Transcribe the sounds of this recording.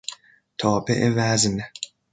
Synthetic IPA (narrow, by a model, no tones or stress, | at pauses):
t̪ʰɒːbḛʔevæzn